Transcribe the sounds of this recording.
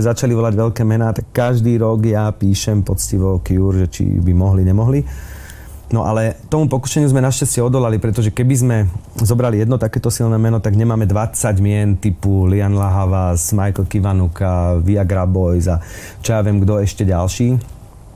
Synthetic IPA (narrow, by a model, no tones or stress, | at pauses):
ɛzat͡ʃaliʋɔlaɟʋɛʎkɛːmɛnaːt̪akːaʒd̪iːɾɔɡjapiːʃɛmpɔt͡sciʋɔkɪuɾʒɛt͡ʃḭbimɔɦliɲɛmɔɦli | nɔʔa̰lɛt̪ɔmupɔku̥ʃɛɲɪuzmɛnaʃcascɪɛɔd̪ɔlalipɾɛt̪ɔʒɛkɛbizmɛzɔbɾalijɛd̪nɔt̪akɛːt̪ɔsilnɛːmɛnɔt̪aɡɲɛmaːmɛd̪ʋat͡saɟmɪɛnt̪ipulianlaɦaʋasmajkl̩kiʋanukaʋiaɡɾabɔjza | t͡ʃɔjaːʋɪɛmɡd̪ɔɛʃcɛɟalʃiː